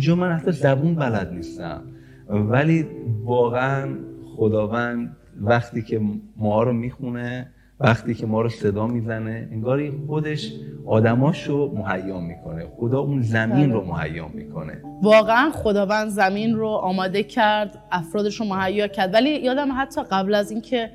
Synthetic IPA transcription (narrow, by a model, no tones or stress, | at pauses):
ind͡ʒɒːmænhæt̪ʰːɒːzæbuːnbælæd̪̚niːst̪æ̰m | væliːvɒːɣeænxod̪ɒːvænd̪̚ | væxt̪ʰiːcʰemɒɾomiːxune | væxt̪iːcʰe̞mɒːɾose̞d̪ɒːmiːzæne̞eŋɡɒːɾixod̪e̞ʃʔɒːd̪æmɒːʃomoɦæjːɒːmiːkʰo̞nexod̪ɒːʔunzæmiːnɾomohæ̰jːɒ̰ːmiːkʰo̞̰nḛvɒːɣeænχod̪ɒːvænd̪zæmiːnroʔɒːmɒːd̪e̞cʰæɾd̪ʔæfɾɒːd̪eʃɾomohæjːɒːcʰæɾd̪vælijɒːd̪æmɦæt̪ʰːɒːɣæblæziːncʰe̞